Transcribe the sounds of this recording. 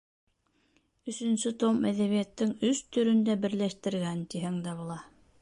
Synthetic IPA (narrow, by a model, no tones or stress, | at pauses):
ɵ̆sɵ̆nsɵt̪omæðæβijæt̪ːɘŋɵst̪ɵ̆ɾɵ̆nd̪æbɘ̆ɾlæʃt̪ɘ̆ɾɣænt̪iɦæŋd̪æβulˠɑ